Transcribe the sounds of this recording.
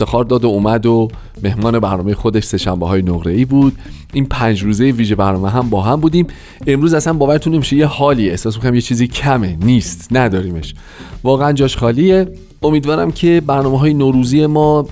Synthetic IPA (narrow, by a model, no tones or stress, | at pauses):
eft̪exɒːɾd̪ɒːd̪ouːmæd̪o | me̞hmɒːne̞bæɾnɒːme̞jexo̞d̪e̞ʃse̞ʃæmbeɒːjenoɣɾe̞iːbuːd̪̥̚ | ʔiːnpʰænd͡ʒɾuːze̞jeviːʒe̞bæɾnɒːmeɦæmbɒːɦæmbuːd̪iːm | e̞mɾuːzæsænbɒːvæɾet̪ʰunːe̞miʃeje̞hɒːliːe̞hsɒːs̬mikʰonæmjet͡ʃʰiːzicʰæmeniːst̪næd̪ɒːɾiːme̞ʃ | vɒːɣeænd͡ʒɒːʃxɒːlije̞ | omiːd̪vɒːɾæ̰mcʰe̞bæɾnɒːmeɦɒːjenoːɾuːziːje̞mɒː